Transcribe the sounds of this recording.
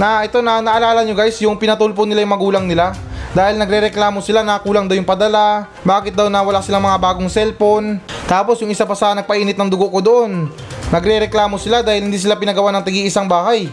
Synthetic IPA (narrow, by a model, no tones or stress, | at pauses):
nɐʔɛt̪o̞nɐnɐʔɐlaːlɐɲoɡajsjʊŋpɪnɐt̪ulponɪlajʊŋmɐɡuːlɐŋnɪla | d̪aːhɪlnɐɡɾɛɾɛklaːmosɪlanɐkuːlaŋd̪ɐwjʊŋpɐd̪ɐla | baːkɪt̪̚d̪awnɐwɐlasɪlaŋmɐŋabaːɡoŋsɛlpo̞nt̪aːpo̞sjʊŋʔɪsapɐsaanɐɡ̚pɐʔiːnɪt̪nɐŋd̪ʊɡoʔkod̪oʔo̞nː | ɐɡɾɛɾɛklaːmo̞sɪlad̪aːhɪlhɪnd̪iːs̬ɪlapɪnɐɡɐwanɐŋt̪ɐɡiʔɪsaŋbaːhaj